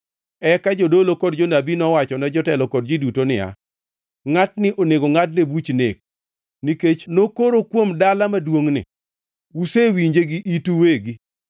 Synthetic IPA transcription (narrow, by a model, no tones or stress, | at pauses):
ɛkad͡ʒodolokɔdd͡ʒonabinɔwat͡ʃɔnɛd͡ʒɔtɛlɔkɔd̚d͡ʒidutonɪa̰ | ŋatnɪʔoneɡoŋatlebut͡ʃnek̚ | niket͡ʃnokoɾokwomdalamadwoŋnɪ̰ | usewiɲd͡ʒeɡiʔituweɡi